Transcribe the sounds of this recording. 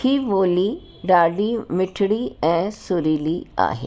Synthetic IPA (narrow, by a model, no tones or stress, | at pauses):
kʰiʋoːliː | ɖaːɖimɪʈʰɽiɛ̃ːsʊɾiːlia̰ːɦḛː